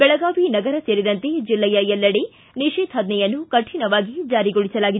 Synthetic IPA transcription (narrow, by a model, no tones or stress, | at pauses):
bɛɭɐɡaːʋinɐɡɐɾɐseːɾid̪ɐnt̪ed͡ʒilːɛjɐɛlːɐɽe | niʃeːd̪ɦɐd̪nɛjɐnːukɐʈʰinɐʋaːɡid͡ʒaːɾiɡoɭisɐlaːɡid̪